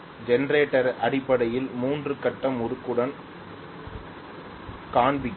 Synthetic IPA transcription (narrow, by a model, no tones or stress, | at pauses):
d͡ʒɛnɐɾeːʈːɐɾɐɽɪpːɐɽɐjɪlmuːndrɯkɐʈːɐmʊɾɯkːɯɽɐn | kaːɳbɪ